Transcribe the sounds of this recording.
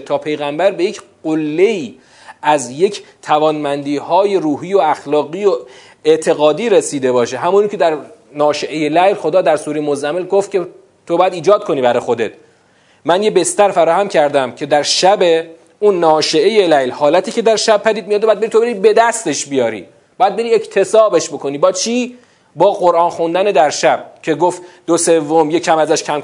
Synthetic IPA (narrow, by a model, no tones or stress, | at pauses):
t̪ʰɒːpʰe̞jɣæmbæɾbe̞jecʰɢolːe̞iː | ʔæzje̞cʰt̪ʰævɒːnmænd̪iːhɒːje̞ɾuːɦiːjoæxlɒːɣiːo | eʔt̪ʰe̞ɣɒːd̪iːɾesiːd̪e̞bɒːʃeɦæmunicʰed̪æɾ | nɒːʃeʔejelæjlxo̞d̪ɒːd̪æɾsuːɾejmozæmelɡoft̪̚cʰe | t̪ʰobɒːjæd̪iːd͡ʒɒːd̪̚kʰo̞niːbæɾɒjxo̞d̪et̪̚ʰ | mænjebe̞st̪æɾfæɾɒːhæmcʰæɾd̪æmcʰe̞d̪æɾʃæbe̞ | unːɒːʃe̞ʔejelæjlhɒːlæt̪ʰiːcʰe̞d̪æɾʃæb̚pʰːæd̪iːd̪̚mijɒd̪ːjæd̪̚beɾit̪obeɾibe̞d̪æst̪e̞ʃbijɒːɾḭː | b̥ɒːjæd̪̚be̞ɾiːecʰt̪ʰe̞sɒːbe̞ʃbo̞kʰo̞niːbɒːt͡ʃʰiː | bɒːɣo̞ɾʔɒːnxund̪æned̪æɾʃæb̥̚cʲʰe̞ɡoft̪d̪ose̞vːomjecʰːæmæzæʃkʰæmk